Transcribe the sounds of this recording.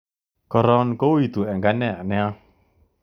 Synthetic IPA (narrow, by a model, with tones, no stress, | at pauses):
kɔ˨ɾɔ˦nko˦wi˨t̪u˨ɛ˨ŋɡa˦nɛ˦˨a˨nɛ˦a˦